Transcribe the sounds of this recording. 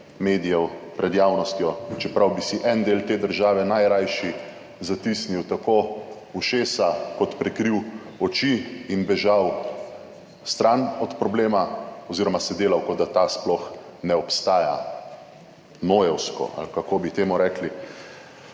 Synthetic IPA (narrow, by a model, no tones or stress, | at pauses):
meːd̪ijɛwpɾɛd̪jaːwnɔst̪jɔt͡ʃɛpɾawbisiʔɛnd̪eːlt̪eːd̪əɾʒaːʋɛnajɾajʃi | zat̪isniwt̪akoː | uʃeːsakɔt̪pɾɛkɾiw | ɔt͡ʃiːnbɛʒaw | st̪ɾanɔt̪pɾɔbleːmaɔziɾɔmasɛd̪eːlawkɔd̪at̪asplɔxnɛɔpst̪aːja̰ | noːjɛwskɔ̰a̰lkakoːbit̪eːmuɾɛkli